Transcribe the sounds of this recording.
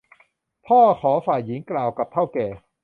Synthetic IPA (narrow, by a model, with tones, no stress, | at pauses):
p̪ʰɔː˥˩kʰɔː˩˦faː˨˩jːi˩˦ŋklaː˨˩wka˨˩p̚t̪ʰa˥˩wkɛː˨˩